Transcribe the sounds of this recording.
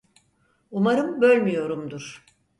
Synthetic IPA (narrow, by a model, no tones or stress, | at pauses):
umaɾɯmbølʲmyjo̞ɾumd̪uɾ̥